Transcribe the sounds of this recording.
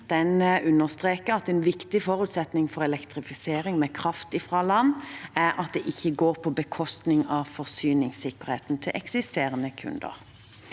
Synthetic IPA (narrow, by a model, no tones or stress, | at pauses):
d̪̥ɛnʉnːəʁst̪ʁeːkəɑt̪ɛnʋɪkt̪ɪfɔʁʉːt̪sɛt̪nɪŋfɔʁɛlɛkt̪ʁɪfɪseːɾɪŋmɛkʰʁɑft̪ɪfʁɑlɑnːæɾɑt̪̚d̪ɛʔɪçːəɡoːʁpʰɔbəkʰɔst̪nɪŋɑʋfɔʁsyːnɪŋsɪkəʁɾheːt̪n̩t̪ʰɪlʔɛ̰ksɪst̪eːʁənəkʰʉ̰nd̪ə̰ʁ